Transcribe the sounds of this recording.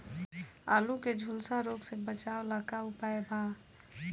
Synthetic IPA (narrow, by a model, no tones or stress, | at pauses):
a̰ːluked͡ʒʱulsaɾoːɡsẽbət͡ʃaoləkaʊpaebʱa